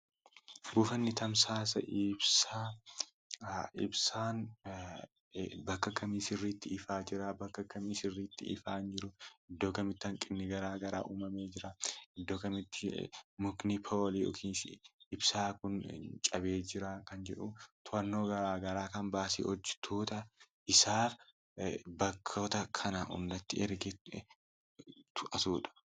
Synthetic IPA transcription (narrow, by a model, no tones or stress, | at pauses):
bʊfɐnːɪt̪ɐmsaːs̬ɐ̰ʔɪbsa | ɪ̰bsaːn | bɐkːɐkɐmiːsɪrːiːt̪ːɪɪfaːd͡ʒɪɾabɐkːɐkɐmiːsɪrːiːt̪ːɪ̰ɪ̰faːnd͡ʒɪɾʊɪd̪ːo̞ːkɐmɪt̪ːɐŋkʼɪnːɪɡɐɾaːɡɐɾa̰ːʔuːmɐmeːd͡ʒɪɾaɪd̪ːo̞ːkɐmɪt̪ːɪmʊknɪpʰoːliːɔ̰kʰiːnsɪ̰ɪbsaːkʊnt͡ʃʼɐbe̞ːd͡ʒɪɾakɐnd͡ʒɛᶑʊt̪ʰʊɐnːoːɡɐɾaːɡɐɾaːkɐnbaːsḭːʔɔd͡ʒːɛ̥t̪ʰoːt̪ɐʔɪsaːf | bɐkʰːoːt̪ɐkʰɐnɐʔʊ̰ndɐt̪ːɪɛɾɡɛ | t̪ʰʊʔɐsuːᶑɐ̥